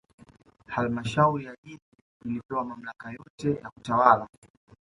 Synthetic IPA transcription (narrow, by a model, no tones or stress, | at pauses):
halmaʃauɾijaʄiɗi | ilipɛwamam̩lakajɔtɛjaku̥tawala